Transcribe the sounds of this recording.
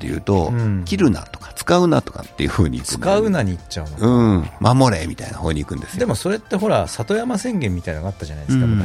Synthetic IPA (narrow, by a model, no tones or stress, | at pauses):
t̪ːe̞jɯ̟ːt̪õ̞kʲiɾɯ̟na̰t̪o̥kḁt͡sɨ̥kaɯ̟nat̪o̞̥ka̰t̪ːe̞jɯ̟hɯ̟ːɲ̟ikt͡sɯɨ̥kaɯ̟naɲ̟iːt͡ɕaɯnoɯ̃ːmʔamo̞ɾe̞mʲit̪ainahoːɲ̟iːkɯ̟̃nd̪esɨd̪e̞mo̞so̞ɾe̞t̪ːe̞ɦo̞ɾasat̪o̞jamasẽ̞ŋɡẽ̞mːʲit̪ainoɡat̪ːaʑanaid̪eska